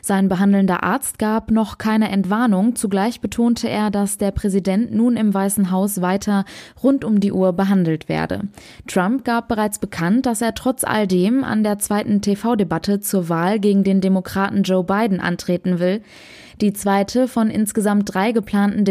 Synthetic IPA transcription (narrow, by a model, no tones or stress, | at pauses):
z̥aɪnbəɦandl̩ndɐ̰ʔa̰ɐt͡st̚ɡ̥aːpnɔχkʰaɪnəʔɛntv̥aɐnʊŋt͡suɡlaɪçb̥ətʰoːntʰəʔḛːɐdasd̥eːɐpʁ̥ɛzidɛntnuːnɪmvaɪsn̩ɦaʊsv̥aɪtʰɐʁʊntʊmdiːʔuːɐbəɦandl̩tv̥ḛːɐdə̰ | tʁ̥amp̚ɡ̥aːp̚b̥əʁaɪt͡sb̥əkʰant̚d̥aseːɐtʁ̥ɔt͡sʔa̰ldeːma̰ndeːɐt͡sv̥aɪtn̩tʰefaʊdebatʰət͡suːɐvaːlɡeːɡŋ̩deːndemokʁ̥aːtn̩d͡ʒoʊbaɪdn̩ʔa̰ntʁ̥eːtn̩vɪl | d̥iːt͡sv̥aɪtʰəfɔnʔɪ̰nsɡ̥əzamt̚d̥ʁaɪɡəpʰl̥aːntn̩d